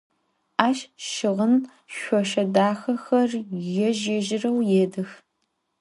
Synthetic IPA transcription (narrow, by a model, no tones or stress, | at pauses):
aːʃʃɪʁən | ɕʷɔʃɐdaːxɐxɐrjɛʒeʒɪrɐwjeːdɐx